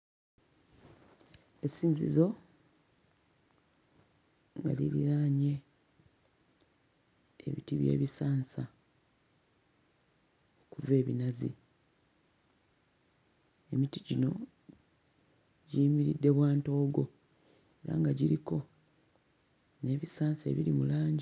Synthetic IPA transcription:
esiːɲzḭzo̞ | ŋɡa̰liɾḭɾaːɲe̞ | ḛβḭtiβjḛːβisaːnsa | okuve̞ːβinazḭ | emitiɟino̞ | ɟiːmiɾidːe̞βwaːnto̞ːɡo̞ | e̞ɾa̰ŋɡaɟiɾiko̞ | ne̞βisaːnsaḛβiɾimulaːɲɟi

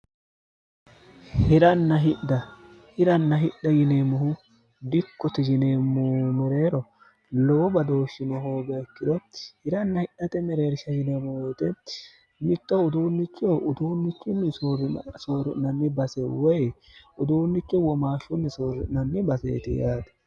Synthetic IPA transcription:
hɪɾɐnːɐɦɪɗd̪ɐ | hɪɾɐnːɐɦɪɗɐjɪneːmʊhʊ | d̪ɪkːɔt̪ɛɡɪneːmːʊmɛɾeːɾɔ | lɔwɔbɐd̪o̞ːʃːɪnɔhoːɡɐːkːɪd̪ɔhɪɾɐnːɐhɪɗːɐt̪ɛmɛɾeːɾʃɐjɪnemɔwoːt̪ɛ | mɪt̪ʼːɔʊd̪uːnːɪt͡ʃːɪjoʔʊd̪uːnːɪt͡ʃːʊnːɪsoɾsoːɾʊnɐnːɪbɐsɛwɔj | ʊd̪uːnːɪt͡ʃːɪwɔmaːʃːʊnːɪsoːɾʊnɐnːɪbɐsḛːt̪ɪ̰jaːt̪ɐ̥

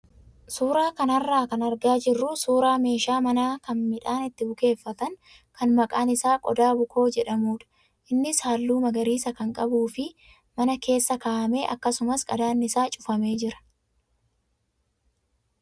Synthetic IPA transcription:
suːɾaːkɐnɐrːaːkɐnɐɾɡaːd͡ʒɪrːusuːɾaːme̞ːʃaːmɐnaːkɐnmɪᶑaːnɪt̪ːɪbʊke̞ːfːɐt̪ɐŋ | kʰɐnmɐkʼaːnɪsaːkʼɔ̰d̪aːbʊkʰo̞ːd͡ʒɛᶑɐmuːᶑɐ̥ | ʔɪnːɪshaːlːuːmɐɡɐɾiːsɐkɐŋkʼɐbuːfɪ | mɐnɐke̞ːsːɐkaːʔɐme̞ːʔɐ̰kːɐsʊmɐskʼɐd̪aːnːɪsaːt͡ʃʼʊfɐme̞ːd͡ʒɪɾɐ̥

